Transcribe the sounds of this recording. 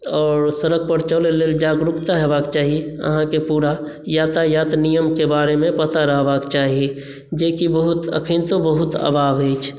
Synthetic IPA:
ɔːɾsəɾək̚ʰpəɾt͡ʃəleleːld͡ʒaːɡɾʊkt̪aɦɛbaːkt͡ʃaːɦieə̰ɦãkepuːɾajaːt̪ajaːt̪nijəmkebaːɾemẽpət̪aɾəɦbaːkt͡ʃaːɦie | d͡ʒeːkibəɦʊt̪ə̰kʰint̪obəɦʊt̪ə̰ːbaːbɦeːt͡ʃʰ

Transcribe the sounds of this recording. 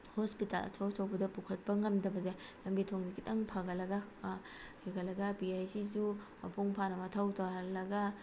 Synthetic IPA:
hospitalɐ̰sʰowtʰowbɐdɐpukʰɐt̚pɐŋɐmdɐbɐzelɐmbitʰoŋdikʰitɐŋpʰɐɡɐlɐɡɐ | kʰiɡɐlɐɡɐbiajsizu | mɐpʰuŋpʰanɐmɐtʰɐwtʰɐɦɐllɐɡɐ

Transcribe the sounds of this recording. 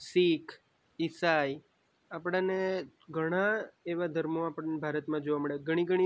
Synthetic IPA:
sikʰ | ɪsai | apɽ̃ãne | ɡʱəɽ̃ãeʋad̪ʱəɾmoapəɽnebʱaɾət̪mãd͡ʒoʋaməɭjeɡʱəɽ̃ĩɡəɽ̃i

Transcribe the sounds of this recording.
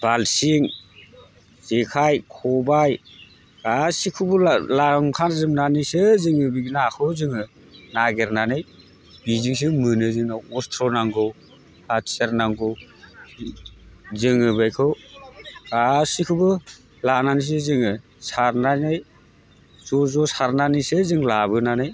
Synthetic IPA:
b̥alsiŋ | zekʰajkʰɔbaj | ɡ̥asikʰubɯlaŋkʰanzɯmnanisɯzɯŋɯbiɡinaːkʰɯzɯŋɯ | naɡeɾnanɯj | biziŋs̬ɯmɯnɯzɯŋnaɔstʰɾɔnaŋɡɯw | aseɾnaŋɡɯw | zɯŋɯbajkʰɯw | ɡ̥asikʰubɯ | lananis̬ezɯŋɯ | saɾnanaj | zɔzɔsaɾnanisezɯŋlabɯnanɯj

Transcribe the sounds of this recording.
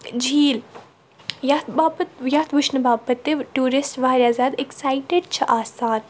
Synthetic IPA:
d͡ʒʱiːl | jat̪baːpət̪jaːt̪ʰʋuʃnɐbaːpɐt̪ːeʈuːɾisʈʋaːɾʲjaːzaːd̪eksaːjʈeɖ̚t͡ʃʰɐʔaːsaːn

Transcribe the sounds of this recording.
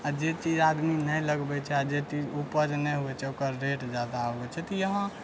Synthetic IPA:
ad͡ʒet͡ʃid͡ʒad̪minəjləɡbɛt͡ʃʰɛad͡ʒet͡ʃid͡ʒupəd͡ʒnɛɦuɛt͡ʃʰɛokəɾːeʈd͡ʒad̪aoɡɛt͡ʃʰɛt̪ɔjəɦã

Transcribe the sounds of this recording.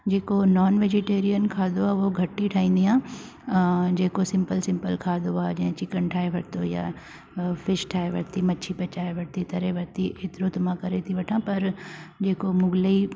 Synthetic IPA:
d͡ʑeːkonɔːnʋeːd͡ʑeʈeːɾijənkʰaːd̪oaːoɡʱɐʈːiʈʰaːĩːn̆d̪iãː | d͡ʑeːkosɪ̃mpəlsɪ̃mpəlkʰaːd̪oaːd͡ʑɐ̃ɦɪ̃t͡ɕɪkəɳʈʰaːeʋɐɽt̪oja̰ | fɪʃʈʰaːeʋɐ̰ɽt̪imɐt͡ʃʰipɐt͡ɕaːeʋɐɽt̪it̪ɐɾeʋɐɾt̪iʔet̪ɪɾot̪ʊm̤ãkɐɾet̪ʰiʋɐʈʰãpɐɾd͡ʑeːkomʊɡli

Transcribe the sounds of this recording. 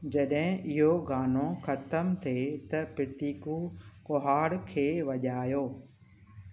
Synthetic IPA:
d͡ʑɐɗɦɪ̃ʔɪɦoɡaːnõxɐt̪əmt̪ʰet̪ɐpɪt̪iːkukoɦaːɽkʰeːʋɐʄaːjoː

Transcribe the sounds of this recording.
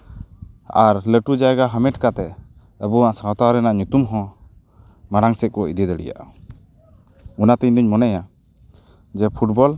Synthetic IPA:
aɾləʈud͡ʒaɡaɦəmɛʈkat̪ɛ | əbuaʔsat̪aɾɛnaʔɲut̪umɦɔ̃ | maɽaŋsɛkɔḭd̪id̪ɛɽḭja̰ʔa | unat̪iɲd̪iɲmɔnɛja | d͡ʒɛpʰuʈbɔl

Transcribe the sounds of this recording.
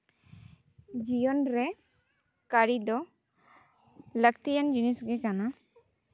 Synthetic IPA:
d͡ʒijɔnɾɛ | kaɾid̪ɔ | lək̚t̪ijand͡ʒunisɡɛkana

